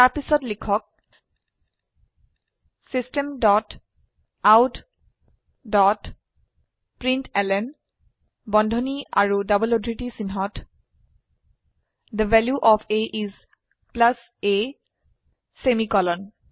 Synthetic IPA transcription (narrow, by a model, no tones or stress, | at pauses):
taɹpisɔtlikʰɔk̚ | sistemdɔt | awt | dɔt | pɹintɛlɛn | bɔndʱɔnia̰ɹudabɔlodʱɹiʈisinɦɔt | d̪əvɛljuʔɔfʰeʔiz | plas | e | semikɔlɔn